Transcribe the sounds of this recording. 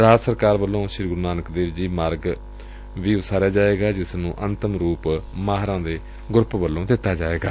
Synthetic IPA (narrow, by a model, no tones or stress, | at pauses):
ɾaːd͡ʒsəɾkaːɾʋəlːõːʃɪɾɡʊɾnaːnəkd̪eːʋd͡ʒiːmaːɾɡ | ʋiːʊsaːɾjaːd͡ʒaːʋeːɡaːd͡ʒɪsnũːʔənt̪əmɾuːpmaːɦɾãːd̪eː | ɡʊɾpbəlːõːd̪ɪt̪ːaːd͡ʒaːʋeːɡa̰ː